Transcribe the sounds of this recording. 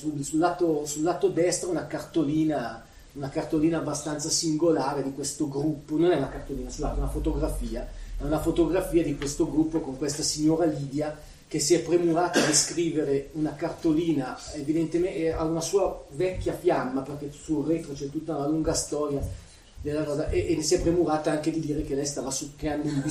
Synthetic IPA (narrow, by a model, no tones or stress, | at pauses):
sulsulːaːt̪osulːaːt̪od̪ɛst̪ɾaunakart̪oliːna | unakart̪oliːnaːbːast̪ant̪sasiŋɡolaːɾed̪ikwest̪oɡɾupːononɛunakart̪oliːnasolaunafot̪oɡɾafiːamaunafot̪oɡɾafiːad̪ikwest̪oɡɾupːokoŋkwest̪asiɲːoːɾaliːd̪ja | kesiɛpːɾemuɾaːt̪ad̪iskɾiːveɾeunakart̪oliːnaevid̪ent̪emeaunasuːavɛkːjafjamːaperk̟ɛsureːt̪ɾot͡ʃɛt̪ːut̪ːaunaluŋɡast̪ɔːɾja | d̪elːakɔːzaʔeʔeesiɛpːɾemuɾaːt̪aaŋked̪id̪iːɾekelɛjst̪aːvasukɾeand̪oind̪i